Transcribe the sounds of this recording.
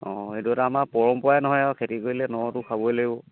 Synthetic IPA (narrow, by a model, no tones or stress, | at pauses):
ɔ̃etuɛtaamapɔɹɔmpɔajnɔɦɔjɔkʰetikoɹilɛnɔtʊkʰabɔjloɡibɔ